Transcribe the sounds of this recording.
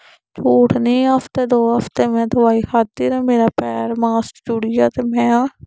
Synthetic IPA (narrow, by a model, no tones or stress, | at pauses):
t͡ʃoːʈʰnĩːɦəfʰt̪eːd̪oːɦəpʰt̪eːmɛ̃ːd̪əʋaːiːkʰaːt̪ːiːɾãːmeːɾaːpɛːɾmaːsʈd͡ʒʊɽijaːt̪eːmɛ̃ː